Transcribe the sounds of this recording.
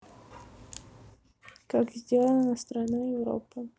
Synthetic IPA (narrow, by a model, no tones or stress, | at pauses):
kakzʲdʲelˠənənəst̪ɾanajɪvɾo̰pɨ